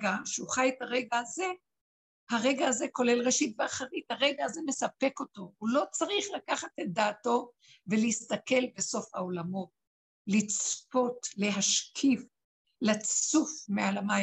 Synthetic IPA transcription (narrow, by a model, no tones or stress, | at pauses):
ɡaʃeuχajetaʁeɡaaze̞ | haʁe̞ɡaːze̞ko̞le̞lʁe̞ʃitveaχaʁithaʁeɡaːze̞me̞sape̞ko̞to̞ulo̞t͡saʁiχlakaχatet̚d̪aːto̞ | veleist̪ake̞lbe̞so̞fhao̞lamo̞ | lit͡spo̞tle̞ɦaʃkʰif | lat͡sufmealama